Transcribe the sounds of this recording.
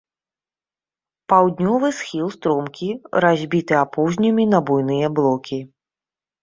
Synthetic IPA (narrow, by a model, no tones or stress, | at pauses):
pawd̪ʲnʲɔvɨsxʲilˠst̪ɾɔmkʲiɾazʲbʲit̪ɨapɔwʒnʲɐmʲinɐbujn̪ɨjɐblˠɔkʲi